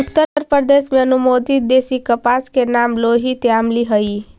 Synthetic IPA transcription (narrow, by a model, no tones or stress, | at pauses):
ukt̪əəɾpəɾd̪esmeənumod̪id̪esikəpaskenamloɦit̪jamliɦəi